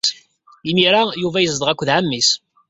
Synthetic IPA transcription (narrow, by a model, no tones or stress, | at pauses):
imiɾajuvæjəzd̪ˤʁækʷːðʕamːis